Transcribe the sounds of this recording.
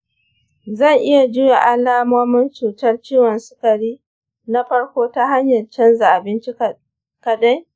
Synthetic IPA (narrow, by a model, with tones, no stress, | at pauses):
zɐ˦˨ŋʔɪ˦ja˨d͡ʒʊ˦ja˨ʔa˦laː˦moː˦mɪ˦nt͡ʃuː˨tɐ˦rt͡ʃiː˦wɔ˨nsʊ̥˦kɐ˨ɽiː˦ | na˦ɸɐ˦ɽkʷoː˦ta˦ɦa˦ɲjɐ˨rt͡ʃɐ˦nza˨ʔa˨bɪ˦nt͡ʃɪ˦˨ | kɐ˨da˦j